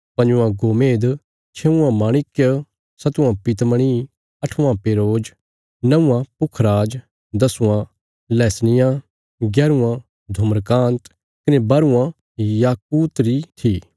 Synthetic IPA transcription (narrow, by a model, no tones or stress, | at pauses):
pɐ̃ɲd͡ʒʊãɡoːmeːd̪ | t͡ʃʰeʊ̃ãmaːɽ̃ɪkjə | sɐt̪uãpɪt̪məɽ̃i | ɐʈʰũãpeːɾoːd͡ʒ | nɐũãpʊkʰɾaːd͡ʒ | d̪ɐsʊ̃ã | lɛːsnɪjã | ɡjɛːɾuã | d̪ʱʊməɾkãːnt̪ | kɪnebɐɾuã | jaːkuːt̪ɾit̪ʰiː